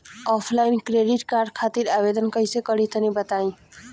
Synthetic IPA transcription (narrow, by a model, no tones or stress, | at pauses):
ɔpʰlajnkɾeɖiʈkaɾɖkʰat̪iɾabed̪ənkʌjsekʌɾit̪nibət̪aĩ